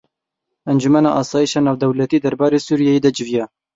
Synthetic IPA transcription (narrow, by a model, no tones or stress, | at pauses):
ɛnd͡ʒumɛnɑʔɑːsɑːjiʃɑːnɑːvd̪ɛwlɛt̪iːd̪ɛɾbɑːɾeːsuːɾijɛjeːd̪ɛd͡ʒɪvijɛ